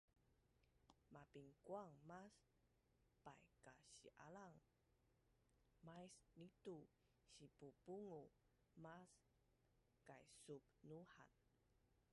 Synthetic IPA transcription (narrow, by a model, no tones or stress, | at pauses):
mapiŋkwaŋmas | pajkaɕiʔa̰laŋ | majsnit̪u | ɕipupuŋu | mas | kajsup̚nuha̰n